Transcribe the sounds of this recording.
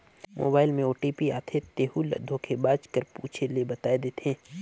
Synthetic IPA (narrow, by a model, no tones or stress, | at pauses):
mʔo̰ːbaːɪlmẽoːʈipia̰ːt̪ʰet̪eːhulɐ̰d̪ʱõkʰebaːt͡ʃkəɾpṵːt͡ʃʰelebɐt̪aːed̪eːt̪ẽː